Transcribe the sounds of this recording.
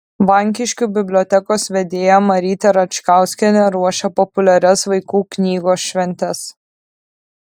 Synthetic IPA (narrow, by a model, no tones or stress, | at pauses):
ʋɐŋʲk̬ʲɪʃʲkʲuːbʲɪbʲlʲɔːt̪ʲɛkoːsʋʲɛd̪ʲeːjɛmɐɾʲiːt̪ʲɛɾɐt͡ʃkɑˑʊsʲkʲɛnʲɛɾuɔʃʲɛpɔpʊlʲɛɾʲɛsʋɐɪkuːknʲiːɡoːsʃʲʋʲɛnʲt̪ʲɛs